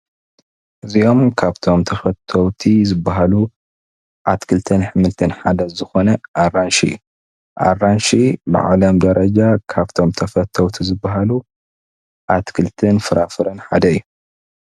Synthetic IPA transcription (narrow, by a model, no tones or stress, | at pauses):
ʔɨzio̞mkʰaβt̪ʰo̞mt̪ʰɐfɐt̪ʰːɐwt̪ʰizɨbːaɦalu | ʔat̪kʰɨlt̪ʰɐnħɨmɨlt̪ʰɐnħad̪ɐzɨxo̞nɐʔarːanʃḭju | ʔa̰ranʃibɨ̰ʕa̰lɐmd̪ɐɾɐd͡ʒakʰaβt̪ʰo̞mt̪ʰɐfɐt̪ʰːɐwt̪ʰizɨbːaɦalu | ʔat̪kʰɨlt̪ʰɐnfɨɾafɨɾɐnħa̰d̪ɐɨjːu